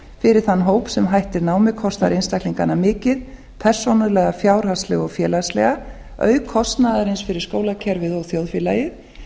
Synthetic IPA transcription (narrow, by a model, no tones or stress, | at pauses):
fɪɾɪɾ̥θanːɦoːwpsɛmɦajht̪ɪɾnaːwmɪkʰɔst̪aɾɪnst̪akliŋkanːamɪːcɪð | pʰɛr̥sonʏlɛːɣafjaːwɾ̥hast̪lɛɣɔɣfjɛːlast̪lɛ̰ɣa | œ̰ːɥkʰɔst̪naðaɾɪnsfɪɾɪɾ̥skoːwlacʰɛɾvɪðɔɣθjowðfɪlaːjɪ